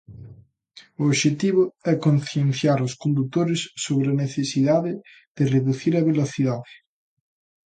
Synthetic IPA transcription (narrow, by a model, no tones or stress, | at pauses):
ʊoʃet̪iβ̞ʊɛkonθjenθjaɾʊskond̪ut̪oɾɪsːoβɾeɐneθesiðaðɪ | ð̥ɪreðuθiɾɐβeloθiðaðɪ